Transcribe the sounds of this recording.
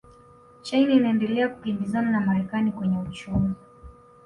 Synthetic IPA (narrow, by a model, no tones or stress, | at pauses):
t͡ʃajninaɛndɛlɛakukimbizananamaɾɛkanikwɛɲɛut͡ʃumi